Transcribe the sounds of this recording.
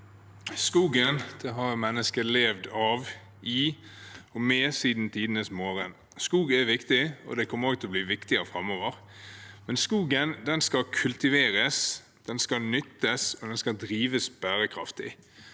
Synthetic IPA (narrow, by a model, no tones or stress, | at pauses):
skuːɡənd̪̥ɛɦɑɾmɛnːəskəleːʋd̪ɑːʋ | i | ɔmeːsiːd̪n̩t̪ʰiːd̪ənəsmoːɾən | skuːɡɛʋɪkt̪ɪɔ̰d̪ɛkʰɔmːəɾoːɡ̚t̪ʰlɔbliːʋɪkt̪ɪəɾəfʁɑmːoːʋəɾ | mɛnskuːɡənd̪ɛnskɑkʰʉlt̪ɪʋeːɾəs | d̪̥ɛnskɑnʏt̪ʰːəsɔd̪ɛnskɑd̪ɾiːʋəsb̥æːɾəkʰɾɑ̰ft̪ɪ̰